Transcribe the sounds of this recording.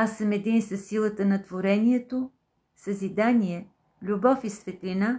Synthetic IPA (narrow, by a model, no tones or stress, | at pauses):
asəmɛd̪insɐsːilˠət̪ənɐt̪voɾɛniɛt̪o | səzid̪aniɛ | lʲubɔfisvɛt̪lʲina